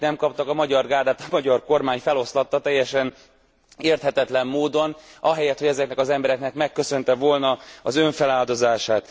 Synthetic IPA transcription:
nɛmkɒp̚t̪ɒkɒmɒɟɒrɡaːd̪aːt̪ɒmɒɟɒrko̞rmaːɲfɛlo̞slɒt̪ːɒt̪ɛjːɛʃɛn | eːrt̪hɛt̪ɛt̪lɛmːoːd̪o̞nɒɦɛjɛt̪hoɟɛzɛknɛkɒzɛmbɛɾɛknɛkmɛkːø̞sø̞nt̪ɛvo̞lnɒɒzø̞ɱfɛlaːld̪o̞zaːʃaːt̪

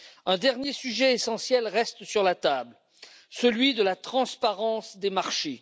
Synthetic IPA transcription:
ɛ̃d̪ɛʁnjesyʒɛesɑ̃sjɛlʁɛst̪syʁlat̪abl | səlɥid̪əlat̪χɑ̃spaʁɑ̃sd̪emaʁʃe

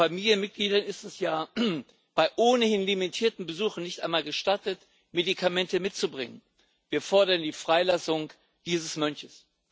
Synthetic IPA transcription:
famiːljənmɪt̚ɡ̥liːdɐnɪstɛsjaː | b̥aɪʔoːnəhɪnlimitʰiːɐtn̩bəzuːχn̩nɪçtʔaɪnmaːlɡəʃtatət | medikʰamɛntəmɪtt͡subʁɪŋən | viːɐfɔɐɾɐndiːfʁ̥aɪlasʊŋ | d̥iːzəsmœnçəs

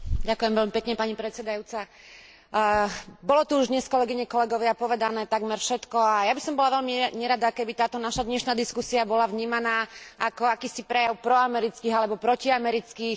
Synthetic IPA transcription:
ɟakujɛmʋɛʎmipɛkɲɛpaɲipɾɛt͡sɛd̪ajuːt͡sa | bɔlɔt̪uuʒd̪ɲɛskɔlɛɡiɲɛkɔlɛɡɔʋɪapɔʋɛd̪anɛːt̪aɡmɛɾfʃɛt̪kɔajabisɔmbɔlaʋɛʎmiɲɛɾad̪akɛbit̪aːt̪ɔnaʃad̪ɲɛʃnaːd̪iskusiabɔlaʋɲiːmanaːakɔakiːsipɾɛjaʊpɾɔamɛɾit͡skiːɦalɛbɔpɾɔciamɛɾit͡skiːx

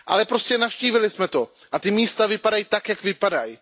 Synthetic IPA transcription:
ʔa̰lɛpɾo̞scɛnafʃciːvɪlɪsmɛt̪o̞ʔat̪ɪmiːst̪avɪpadajit̪akjakvɪpadaj

